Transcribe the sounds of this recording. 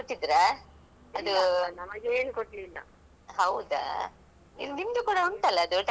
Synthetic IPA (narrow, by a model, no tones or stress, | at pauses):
koʈːid̪ɾe | ɐd̪unɐmɐɡeːnukoʈlilːɐ̰ | ɦɐwd̪ɐ̰ | ḭnimd̪ukuːɽɐuɳʈ̪ɐlːɐːd̪uʈ